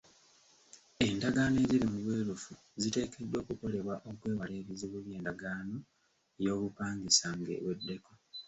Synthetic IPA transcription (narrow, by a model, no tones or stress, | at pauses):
e̞ndaɡaːne̞ːziɾimuβwe̞ːlufu | zite̞ːke̞dːo̞ːkuko̞le̞βwaʔo̞kwe̞ːβale̞ːβiziβuβje̞ːndaɡaːno̞ | ejo̞ːβupaːŋɡisaŋɡe̞̰wedːe̞ko